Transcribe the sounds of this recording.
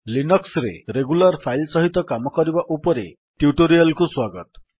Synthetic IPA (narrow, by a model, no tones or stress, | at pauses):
linɔksɾḛɾeɡulaɾpʰajlsɔɦit̪ɔkamɔkɔɾibaʔupɔɾḛ | ʈjuʈoɾialkuswaɡɔt̪ɔ